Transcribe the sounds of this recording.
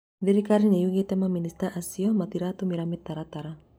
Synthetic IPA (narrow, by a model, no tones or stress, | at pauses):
ðiɾikaɾinejuɣɛt̪ɛmaminist̪aʔasiɔmat̪iɾat̪umiɾamit̪ːaɾat̪aɾa